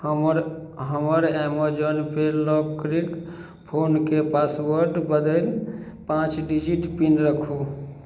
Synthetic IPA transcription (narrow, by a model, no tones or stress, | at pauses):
mɾɦəməɾɛmod͡ʒənpʰelɔkɾik | pʰonkepaswəɾɖbəd̪əl | pãt͡ʃɖid͡ʒiʈpinɾəkʰu